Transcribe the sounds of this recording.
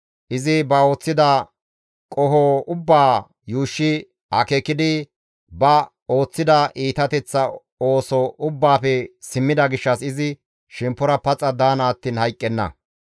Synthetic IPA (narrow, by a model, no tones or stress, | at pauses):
ʔɪzɪbɐo̞ːt͡sːɪd̪ɐ | kʼɔhɔʊbːaː | juːʃːɪ | ʔɐ̰kɛkːɪd̪ɪ | bɐ | o̞ːt͡sːɪd̪ɐʔiːt̪ɐt̪ɛt͡sːɐ | o̞ːsɔʊbːaːpɛsɪmːɪd̪ɐɡɪʃːɐsɪzɪ | ʃɛmpːɔɾɐpɐt͡sʼːɐd̪aːnɐːt̪ːiːnhɐjkʼːɛnːɐ̰